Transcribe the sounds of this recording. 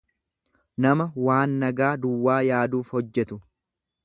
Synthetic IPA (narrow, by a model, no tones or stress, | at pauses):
nɐmɐwaːnːɐɡaːd̪ʊwːaːjaːd̪uːfhɔd͡ʒːɛt̪ʊ